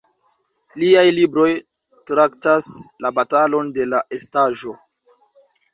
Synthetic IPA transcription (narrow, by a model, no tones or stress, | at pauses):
liajlibɾo̞j | tɾaktaslabatalo̞nde̞laʔe̞staʒo̞